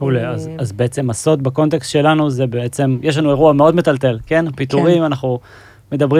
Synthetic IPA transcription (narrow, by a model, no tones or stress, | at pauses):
uleazazbeet͡se̞maso̞t̪̚bako̞nt̪̬ekst̪ʃe̞lanuzebeet͡se̞mjeʃ̬lanue̞ʁuameo̞dme̞talt̪e̞lke̞napit̪uʁimanaχnu | me̞d̪abʁi